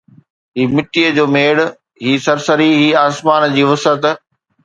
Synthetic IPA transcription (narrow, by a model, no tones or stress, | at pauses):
ɦiːmɪʈiːəd͡ʑoːmeːɽ | ɦiːsɐɾsəɾiɦiːaːsmaːnd͡ʑiːʋɐsət̪